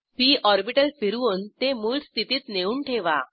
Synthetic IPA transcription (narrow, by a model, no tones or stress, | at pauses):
piːɔɾbiʈəlfiɾʋuːnt̪emuːlst̪ʰit̪iːt̪neuːɳʈʰeʋa